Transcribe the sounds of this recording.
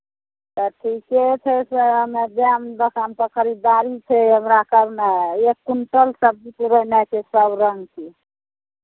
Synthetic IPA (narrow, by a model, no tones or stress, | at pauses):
t̪əʈʰiket͡ʃʰɛseəmebamb̪əkamp̪əkʰəɾid̪aɾit͡ʃʰɛɦəmɾakəɾnaekːuɳʈəlsəb̚d͡ʒipuɾənat͡ʃʰesəbɾəŋɡkʰi